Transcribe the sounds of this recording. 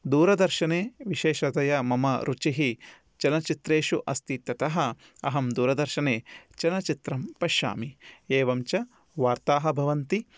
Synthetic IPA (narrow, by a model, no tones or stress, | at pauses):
d̪uːɾɐd̪ɐɾʃɐneːʋiʃeːʃɐt̪ɐjɐmɐmɐɾʔut͡ʃiɦi | t͡ʃɐnɐt͡ʃit̪ɾeːʃuʔɐst̪it̪ːɐt̪ɐɦɐ | ɐ̰ɦɐmd̪uːɾɐd̪ɐɾʃɐneːt͡ʃɐnɐt͡ʃit̪ɾɐmpɐʃa̰ːmieːʋɐmt͡ʃɐ | ʋaːɾt̪aːɦɐbʱɐʋɐnt̪i